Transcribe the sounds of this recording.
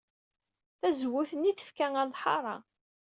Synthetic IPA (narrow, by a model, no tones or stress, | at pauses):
θæzwʊθənːiθə̥fkæŋælðˤħɑ̰ɾˤɑ̰